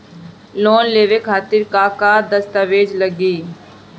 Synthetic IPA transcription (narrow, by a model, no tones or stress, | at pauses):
loːnleːʋeːkʰaːt̪ɪɾkaːkaːd̪əst̪əʋeːd͡ʒləɡiː